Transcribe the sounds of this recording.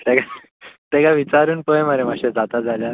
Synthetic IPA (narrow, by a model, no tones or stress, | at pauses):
t̪eɡa | t̪eɡaʋit͡ɕaɾuːnpəjemaɾemaɕed͡zat̪ad͡zalja